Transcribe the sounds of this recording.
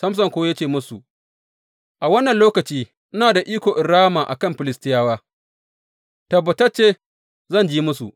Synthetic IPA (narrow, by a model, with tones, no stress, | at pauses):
sɐ˦ms̬ɐ˨ŋkʷoː˦ja˦t͡ʃeː˦˨mʊ˦su˨ʔ | ʔa˨wɐ˦nːɐ˨nloː˦kɐ˨t͡ʃiː˦ | ʔɪ˦naː˨da˨ʔiː˦kʷoː˨ʔɪ˨ɽːaː˦maː˨ʔa̰˨kɐ˦mɸɪ˨lɪ˦stɪ˦jaː˦waː˦ | tɐ˨bːɐ˨tɐ˦t͡ʃeː˦ | zɐ˦˨nd͡ʒiː˦mʊ˦su˨ʔ